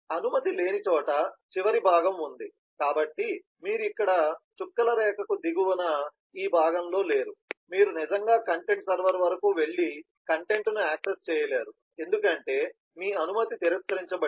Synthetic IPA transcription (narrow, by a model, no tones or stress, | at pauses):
ɐnumɐt̪ile̞ːnit͡ʃɔːʈɐt͡ʃiʋɐɾibʱaːɡɐmund̪i | kaːbɐʈːi | miːɾuikːɐɽɐt͡ʃukːɐlɐɾɛːkɐkud̪iɡuwɐnɐ | iːbʱaːɡɐmlo̞ːle̞ːɾumiːɾunid͡ʒɐŋɡaːkɐɳʈe̞ɳʈsɐɾʋɐɾʋɐɾɐkuʋe̞ɭːi | kɐɳʈe̞ɳʈnuaːksest͡ʃɛːjɐlaːɾu | e̞nd̪ukɐɳʈe̞ː | miːɐnumɐt̪it̪iɾiskɐɾiɲt͡ʃɐbɐ